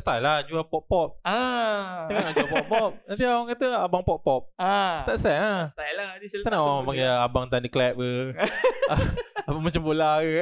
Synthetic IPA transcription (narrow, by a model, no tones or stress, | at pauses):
st̪ajlahd͡ʒuapɔpɔp̚a | aŋaŋad͡ʒuapɔpːɔp̚nant̪iawaŋkat̪əabaŋpɔpːɔp̚at̪aʔsɛnast̪ajaanaʔawaŋmapaŋɡɛabaŋt̪andiklɛp̚ə | aabaŋmat͡ʃambolaə